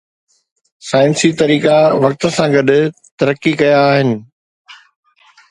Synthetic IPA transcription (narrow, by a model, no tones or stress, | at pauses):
saːɪnsit̪ɐɾiːkaʋɐɾ̚t̪ə̆sãɡɐɗʊt̪ɐɾəkːikɐjaːɦɪnɪ̆